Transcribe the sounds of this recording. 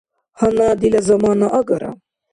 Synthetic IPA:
hɐnad̪ilɐzɐmɑːnaʔɐɡɐɾa̰

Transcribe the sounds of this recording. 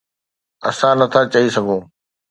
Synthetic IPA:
ɐ̰sãnɐt̪ʰat͡ɕɐisɐɡʱõː

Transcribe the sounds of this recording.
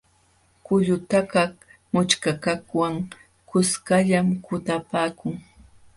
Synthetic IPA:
kʊʎʊt̪akak | mʊt͡ʃkakakwaŋ | kʊskaʎamkʊt̪apaːkʊŋ

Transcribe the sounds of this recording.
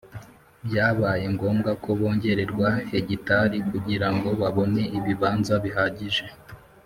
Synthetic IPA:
bjaːβajeŋɡo̞ːmɡako̞βo̞ːɲɟe̞ɾe̞ɾɡwahe̞ɟitaɾikuɟiɾaŋɡo̞βaβo̞ne̞iβiβaːnzaβiɦaːɟiʒe̞

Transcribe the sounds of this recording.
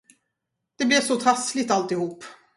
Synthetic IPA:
d̪̥ɛblɛvsɔt̪ʰɾaslɪt̪alt̪ɪhuːpː

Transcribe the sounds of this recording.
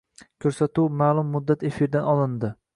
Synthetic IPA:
kʲʰɵɾsat̪uwmaːlˠʊmːʊd̪ːat̪e̞fiɾd̪anɒlˠɪnd̪ɪ

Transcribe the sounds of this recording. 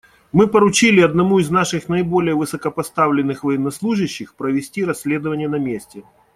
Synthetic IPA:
mɨpəɾʊt͡ɕilʲɪɐd̪nɐmuɪznaʂɨxnɐɪbo̞lʲɪjəvɨsəkəpɐst̪avlʲɪnːɨxvɐjɪnːɐslˠuʐɨɕːɪxpɾəvʲɪsʲtʲiɾɐsʲlʲe̞d̪əvənʲɪjənɐmʲesʲtʲɪ

